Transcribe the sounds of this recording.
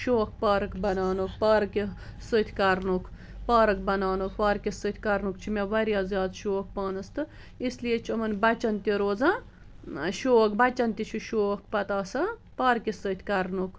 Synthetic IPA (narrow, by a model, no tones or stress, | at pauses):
ʃoːk̚paːɾɨkbɐnaːnukpaːɾkisɨt̪ʰʲkɐɾnukʰ | paːɾɐk̚bɐnaːnukʋaːɾkisɨt̪ʰʲkɐɾnukt͡ʃʰimeʋɐɾjaːzjaːd̪ʃoːk̚paːnɨst̪ɨ | islijet͡ʃʰɐmɐnbɐt͡ʃɐnt̪iɾoːzã | ʃoːkbɐt͡ʃɐnt̪it͡ʃʰiʃoːkpɐt̪aːsa | paːɾkisɨt̪ʰʲkɐɾnukʰ